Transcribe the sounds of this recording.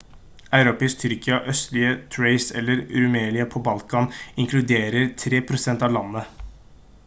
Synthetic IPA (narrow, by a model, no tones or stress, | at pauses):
æɪɾopɪst̪ʰʏɾkɪɑʔœst̪lɪət̪ʰɹeɪsɛ̰lːəɾɾʉmeːlɪəpʰobɑlkɑnɪŋklʉd̪eːɾəɾt̪ʰɾeːpʰɾʊsɛnt̪ɑːʋlɑnːə